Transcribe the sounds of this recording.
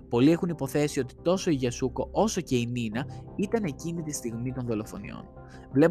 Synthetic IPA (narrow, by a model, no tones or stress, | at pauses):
po̞lie̞xunipo̞θe̞sio̞t̪i̥t̪o̞so̞iʝɐsuko̞ʔo̞so̞ce̞ininɐit̪ɐne̞cinit̪ist̪iɣmit̪o̞nðo̞lo̞fo̞̰nḭo̞̰n | vle̞p